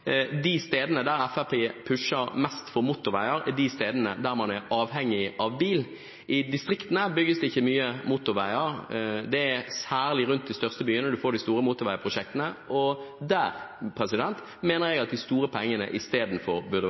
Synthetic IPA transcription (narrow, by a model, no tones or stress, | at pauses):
d̪ɪst̪eːd̪ənəd̪æɾɛfæpʰeːpʰʉʂəɾmɛst̪fɔʁmʊt̪ʊʁʋæɪəɾɛd̪ɪst̪eːd̪ənəd̪æʁmɑnɛɾɑːʋɦɛŋːɪʔɑʋbiːl | ʔɪd̪ɪst̪ɾɪkt̪n̩əbʏɡːəsd̪ɛɪçːəmyːəmʊt̪ʊʁʋæɪəɾd̪ɛɛsæːʁlɪɾʉnt̪̚d̪ɪst̪œʁst̪əbyːənəd̪ʉfoːd̪ɪst̪uːɾəmʊt̪ʊɾʋæɪəpʰʁʊʃɛk̚t̪ənəɔd̪æʁpʰɾɛsɪd̪ɛnt̪ | meːnəʁjɛɡɑt̪̚d̪ɪst̪uːɾəpʰɔɛŋːənə̰ʔɪst̪eːd̪n̩fɔɾbʉʁd̪ə